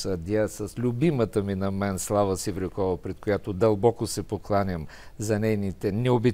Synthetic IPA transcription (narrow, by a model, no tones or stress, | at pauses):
sɐd̪ʲasɐslʲʊbimət̪əminɐmɛnslˠavəsivɾɪkɔvɐpɾɛt̪kojat̪od̪ɐlˠbɔkosɛpoklˠanʲəmzɐnɛjnit̪ɛnɛobi